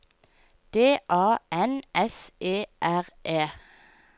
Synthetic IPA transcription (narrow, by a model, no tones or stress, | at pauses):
d̪̥eːʔɑːʔɛnɛseːʔæʁʔeː